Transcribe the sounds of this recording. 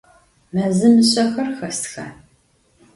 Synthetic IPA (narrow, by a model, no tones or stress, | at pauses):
mɐzɨmɨɕʼɐxɐrxɐstxɐ